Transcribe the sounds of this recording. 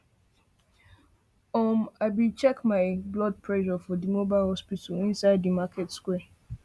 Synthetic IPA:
ɔmaɪbit͡ʃɛkmaɪblɔd̚pʰɹɛʒɔfɔdimobaɪlhɔspitalĩnsaɪddimaketskwɛ

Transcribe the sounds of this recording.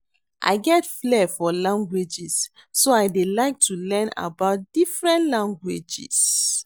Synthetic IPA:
ʔa̰ɪɡɛtflɛfɔlãŋɡwed͡ʒis | soaɪdelaɪk̚tʰulɛ̃na̰baʊt̚d̥ifɹɛ̃ntlãŋɡwed͡ʒḭs

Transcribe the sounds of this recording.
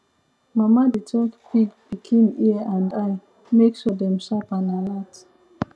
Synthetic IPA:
mamaditʰɔkpiɡb̥ikʰẽmiəãndaɪ | meksɔdɛ̃mʃapãnalat

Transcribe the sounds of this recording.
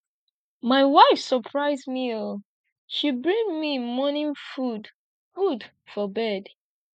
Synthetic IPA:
maɪwaɪfsəpʰɹaɪzmio | ʃibɹĩŋmimɔnĩnfud | fud | fɔbɛd

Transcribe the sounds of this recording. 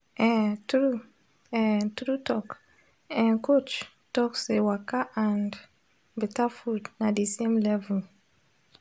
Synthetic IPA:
ʔɛ̃tɾu | ɛ̃tɾutɔk | ɛ̃nkot͡ʃ | tɔksewakaʔãnd | bɛtafudnadisẽmlɛvəl

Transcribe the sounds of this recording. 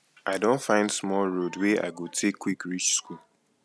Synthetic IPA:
ʔaɪdõntfãɪ̃ndsmɔlɹodweʔa̰ɪɡotʰekʰːwikɹit͡ʃskul

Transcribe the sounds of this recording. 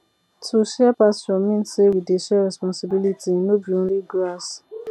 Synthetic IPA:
tʰuʃɛapasɔ̃mĩnsewideʃɛɾɛspɔ̃nsibilitinobiõnliɡɾas

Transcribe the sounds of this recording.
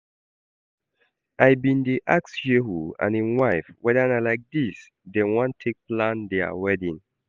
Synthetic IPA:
ʔajbĩndiʔaksjeɦuã̰nĩnwaɪfwʔɛdaãnalaɪk̚dis | dɛ̃nwãntʰek̚plãndɛa̰wɛdĩn

